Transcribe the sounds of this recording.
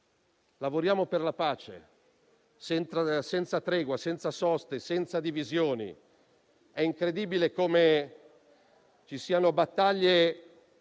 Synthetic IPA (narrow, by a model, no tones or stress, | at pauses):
lavoɾjaːmoperlapaːt͡ʃḛ | sɛnt̪asɛnt̪sat̪ɾɛːɡwasɛnt̪sasɔst̪esɛnt̪sad̪ivizjoːnḭ | ɛiŋkɾed̪iːbilekome | t͡ʃisiːanobat̪ːaʎːe